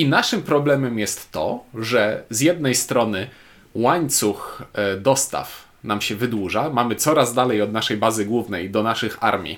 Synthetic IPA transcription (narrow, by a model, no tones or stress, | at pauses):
inaʂɘmpɾɔblɛmɛmjɛst̪ːɔ̰ʐɛzʲjɛd̪̚nɛjst̪ɾɔnɘ | waɲt̪suxd̪ɔst̪a̰f | namɕɛvɘd̪wuʐamamɘt̪sɔɾazd̪alɛjɔd̪naʂɛjbazɘɡwuvnɛjd̪ɔnaʂɘxa̰ɾmʲḭ